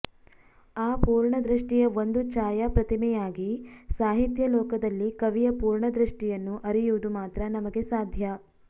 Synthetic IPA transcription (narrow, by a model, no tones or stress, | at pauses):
aːpuːɾɳɐd̪ɾiʂʈijɐond̪ut͡ʃaːjɐpɾɐt̪imɛjaːɡisaːɦit̪jɐlɔːkɐd̪ɐlːikɐʋijɐpuːɾɳɐd̪ɾiʂʈijɐnːuʔɐɾijuʋud̪umaːt̪ɾɐnɐmɐɡe̞saːd̪ʱjɐ